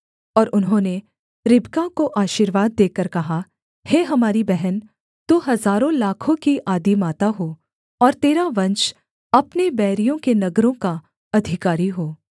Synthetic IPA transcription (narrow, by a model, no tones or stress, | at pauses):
ɔːɾʔʊnɦõːne | ɾɪbkakoʔaːʃiɾʋaːd̪ːeːkəɾkɐɦa | heːɦɐmaːɾibɛɦɛn | t̪uːɦɐzaːɾõlaːkʰõkiʔaːd̪imaːt̪aɦoː | ɔːɾt̪eːɾaʋɐ̃nt͡ʃ | ɐpnebɛːɾijõkenɐɡɾõka | ɐd̪ʱɪkaːɾiɦoː